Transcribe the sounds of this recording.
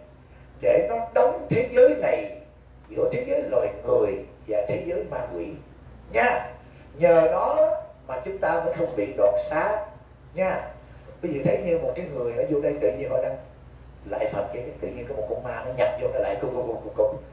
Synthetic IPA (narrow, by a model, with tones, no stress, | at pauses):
ɗe˧˩nɔ˨˦ɗə˨˦wŋ͡mt̪ʰe˨˦zəː˨˦jna˨˩j | zɨ̰˧˥ət̪ʰi˨˦zəː˨˦jlɔ̰˧˨jŋɨ˨˩əj | vaː˨˩t̪ʰe˨˦zəː˨˦jmaː˧˩kwḭ˧˨ | ɲaː˧ | ɲəː˨˩ɗɔ˨˦maː˨˩t͡ɕʊ˨˦ŋ͡mt̪aː˧mə̰ː˧˥˦jxə˧wŋ͡mɓḭ˧˨ɗwa̰ː˨nsaː˨˦ | ɲaː˧ | ɓi˨˦zɨ̰˧˨˩t̪ʰə˨˦jɲɨ˧mo˨˩t̚kaː˨˦jŋɨ˨˩əjnɔ˨˦zu˧˩ɗə˧jt̪ɨ̰˧˨ɲi˧nhɔ̰˧˨jna˧ŋ | la̰ː˧˨jfə˨˩t̚zə˧˦ɲɨ˨˧˦t̪ɨ̰˧˨ɲi˧nkɔ˨˧˦mo˨˩t̚kṵ˧˩maː˧nɔ˨˦ɲa˨˩p̚zo˧˦nɔ˨˦la̰ː˧˨jkɨ˧ko˧kʊ˧˩ŋ͡mku˧˩kʊ˧˩ŋ͡m̚